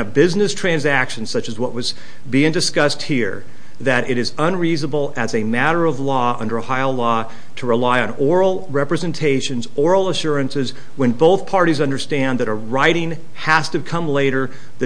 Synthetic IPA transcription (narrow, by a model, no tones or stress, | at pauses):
ɨbɪznɨstʰɹ̥æ̃nzækʃɨ̃n̩sʌt͡ʃɨzwʌʔ̚wʌz | biɪ̃ŋdɨskʌst̚hiɹ | ðɨɾɪɾɨzə̃nɹiznəbl̩ˠɨzɨmæɾə˞ʌvlɔʌ̰̃ndə˞haɪlɔ | ɾəɹəlaɪɨ̃nɔɹl̩ˠɹɛpɹɨzɨ̃ntʰeɪʃɨ̃nzɔɹl̩ˠəʃʊɹɨ̃nsɨz | wɨ̃nboʊθpʰɑɹɾizʌ̃ndə˞stæ̃nðɨɾəɹaɪɾɪ̃ŋ | hæstɨkʰʌ̃mleɪɾə˞ | ðɨ